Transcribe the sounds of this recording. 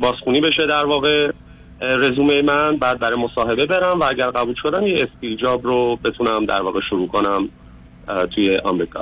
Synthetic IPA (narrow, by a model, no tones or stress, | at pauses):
bɒːsxuːniːbe̞ʃed̪æɾvɒːɣe̞ | ɾe̞zuːmejmænbæːd̪̚bæɾɒjmosɒːɦe̞be̞be̞ɾæmvææɟæɾɣæbuːlʃo̞d̪æmjeest̪id͡ʒɒːbɾobe̞t̪ʰunæmd̪æ̰ɾvɒ̰ːɣeʃuɾuːkʰonæm | t̪ʰuje̞ʔɒ̰mɾiːkʰɒ̰